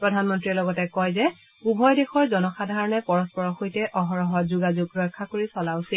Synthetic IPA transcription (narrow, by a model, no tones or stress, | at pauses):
pɹɔdʱanmɔntɹilɔɡɔtɛkɔjzɛ | ubʱɔjdexɔɹzɔnɔxadʱaɹɔnɛpɔɹɔspɔɹɔxojtɛʔɔɦɔɹɔɦɔzuɡazuɡɹɔjkʰːakoɹisɔlaʊsil